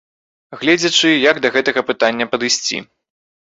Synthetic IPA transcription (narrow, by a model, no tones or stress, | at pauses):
ɣlʲɛd͡zʲɐt͡ʂɨjɐɡd̪ɐɣɛt̪ɐɣɐpɨt̪anʲːɐpɐd̪ɨsʲt͡sʲḭ